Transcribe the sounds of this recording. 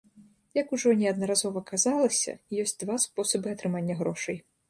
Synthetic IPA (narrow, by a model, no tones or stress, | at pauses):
jɐkuʐɔnʲɛɐd̪nɐɾazɔvɐkazalˠɐsʲɐ̰jɔsʲtʲt͡sʲd̪vaspɔsɐbɨɐt̪ɾɨmanʲːɐɣɾɔʂɨj